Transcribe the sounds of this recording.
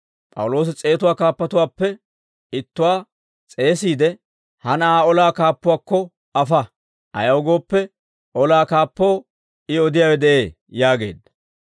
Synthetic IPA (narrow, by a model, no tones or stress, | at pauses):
pʼɐ̰wʊlo̞ːs̬ɪt͡sʼe̞ːt̪ʊwaːkaːpːɐt̪ʊwaːpːɛ | ɪt̪ːʊwaː | t͡sʼe̞ːsiːd̪ɛ | hɐnɐaːɔlaːkaːpːʊwaːkːɔ | ɐfɐ | ʔɐ̰jɐwʊɡo̞ːpːɛ | ʔɔlaːkaːpːoː | ɪɔd̪ɪjaːwɛd̪ɛʔe̞ː | jaːɡe̞̰ːd̪ːɐ̥